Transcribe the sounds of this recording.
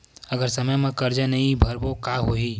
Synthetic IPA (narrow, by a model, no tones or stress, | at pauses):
əɡəɾsəməjmẽkəɾd͡ʒənəĩbʱəɾbokaɦoɦi